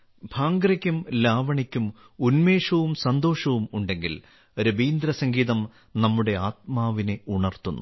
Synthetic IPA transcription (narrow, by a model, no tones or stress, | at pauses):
bʱaːŋɡɾɐkʲːumlaːʋɐɳikʲːum | unme̞ːʂɐʋumsɐnd̪o̞ːʂɐʋumuɳɖe̞ŋɡil | oɾɐbiːnd̪ɾɐsɐŋɡiːðɐm | nɐmːuɽe̞aːt̪̚maːʋine̞uɳɐrt̪ːunːṵ